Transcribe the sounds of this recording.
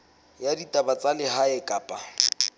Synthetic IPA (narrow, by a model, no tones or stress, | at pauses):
jaditʼabat͡sʼalɪɦaɛkʼaːpʼa